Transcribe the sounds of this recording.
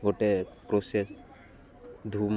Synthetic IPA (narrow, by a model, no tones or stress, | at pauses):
ɡoʈepɾoses | d̪ʱum